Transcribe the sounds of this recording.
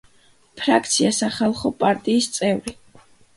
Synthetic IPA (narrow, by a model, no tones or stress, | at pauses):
pʰɾakʰt̪sʰiasaχalˠχɔpʼaɾt̪ʼiːst̪sʼɛvɾi